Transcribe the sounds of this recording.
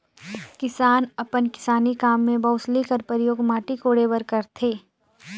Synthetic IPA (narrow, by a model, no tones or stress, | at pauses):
kɪsaːnɐpənkɪ̥saːnikaːmːẽbɐʊslikəɾpəɾjoːɡmaːʈikoːɽeːbəɾkɐɾt̪ʰeː